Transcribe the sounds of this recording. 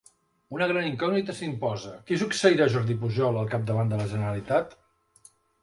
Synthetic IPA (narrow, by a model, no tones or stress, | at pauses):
unəɣɾaniŋkɔɡnit̪əsimpɔzəkisuksəiɾaʒɔɾðip̬uʒɔləlˠkap̚d̪əβand̪ələʒənəɾəlit̪at̪